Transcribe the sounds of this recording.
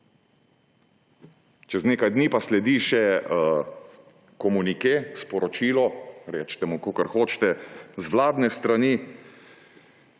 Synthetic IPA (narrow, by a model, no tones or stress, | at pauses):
t͡ʃɛzneːkajd̪niːpaslɛd̪iːʃɛ | kɔmunikespɔɾɔt͡ʃiːlɔɾɛ̰ːt͡ʃt̪ɛmukoːkəɾxoːt͡ʃt̪ɛzʋlaːd̪nɛst̪ɾaniː